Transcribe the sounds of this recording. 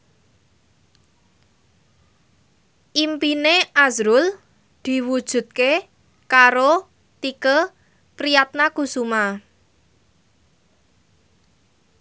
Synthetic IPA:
ʔimpineʔazɾʊl | d̪̥i̤wud̥ʒ̥ṳt̪̚ke | kaɾo | t̪ikə | pɾijat̪̚nakusuma

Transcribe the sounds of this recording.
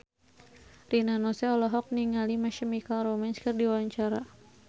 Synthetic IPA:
rinanosɛɔlɔɦɔk̚niŋalimaʃəmikalɾomɛnskɨrdiwaɲt͡ʃaɾa

